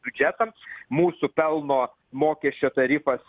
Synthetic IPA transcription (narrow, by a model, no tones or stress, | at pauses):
bʲʊd͡ʒʲæt̪ɐmmuːsʊpʲɛlˠnoː | moːkʲɛsʲt͡ʃʲoːt̪ɐɾʲifɐs